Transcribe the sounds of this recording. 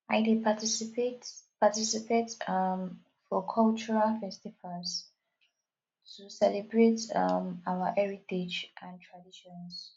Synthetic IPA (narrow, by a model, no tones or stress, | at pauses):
aɪdepʰatisipetpatisipetam | fɔkʰɔlt͡ʃɔɹalfɛstivals | tʰusɛlɛbɹetamawaʔɛɹited͡ʒʔãntʰɹadiʃɔ̃ns